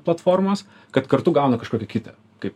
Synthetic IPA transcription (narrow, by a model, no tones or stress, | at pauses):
plˠɐt̪foːrmɐs | kɐt̪kɐɾt̪ʊɡɐˑʊnɐkɐʃkoːkʲɛkʲɪt̪ʲɐ | kɐɪp